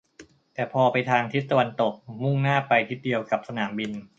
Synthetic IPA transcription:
t̪ɛː˨˩pʰɔː˧pa˧jt̪ʰaː˧ŋt̪ʰi˦˥t̪ːa˧wa˧nt̪o˨˩k̚mu˥˩ŋnaː˥˩pa˧jt̪ʰi˦˥t̪̚di˧əwka˨˩p̚sa˧naː˩˦mbi˧n

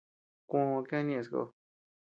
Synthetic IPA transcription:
kõ˧kã˦nĩ˧e˧sko̰˧

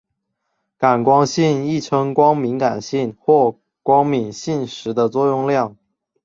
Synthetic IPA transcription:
ka˨˩nkwɑ˥ŋɕi˥˧ni˥˩ʈ͡ʂʰɤ˥ŋkwɑ˥ŋmi˧˥nka˨˩nɕi˥˧nxwɔ˥˩ | kwɑ˥ŋmi˨˩nɕi˥˩nʂɻ̩˧˥d̪ə˧t͡swɔ˥˧jʊ˥˧ŋljɑ˥˩ŋ

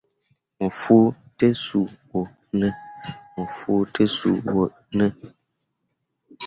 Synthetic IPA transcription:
mɨ˨fu˦tə˦su˨wo˨ | nɨ˦mɨ˨fu˦tə˦sṵ˨wo˨ | nɨ˦

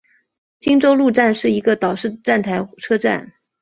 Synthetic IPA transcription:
t͡ɕi˥ŋʈ͡ʂo˥ʊlu˥˧ʈ͡ʂa˥˧nʂɻ̩˥˩i˧˥ɡə˧t̪ɑ˨˩ʊʂɻ̩˥˩ʈ͡ʂa˥˩nt̪ʰa˧˥ɪʈ͡ʂʰɤ˥ʈ͡ʂa̰˥˩n

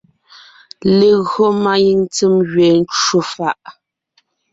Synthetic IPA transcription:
le˨ɣɰɔ˦ma˦ji˦˨ŋt͡sɨ˦mɣɥɛ˨n̩˦t͡ʃu˦fa˦ʔ

